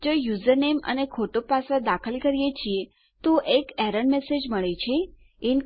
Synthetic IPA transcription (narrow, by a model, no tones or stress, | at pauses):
d͡ʒojuzəɾnemə̰nekʰoʈopasad̪akʰəlkəɾijet͡ʃʰie | t̪ũʔekɛɾəɳɖmesed͡ʒməɭet͡ʃʰe | in